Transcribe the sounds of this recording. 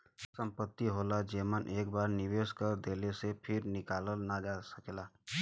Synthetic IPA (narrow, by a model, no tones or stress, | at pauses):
sə̃mpət̪ːiɦoːlad͡ʒeːmənʔeːk̚baːɾnɪʋeːskəɾd̪eːlesepʰɪɾnɪkaːləlnad͡ʒaːsəklaː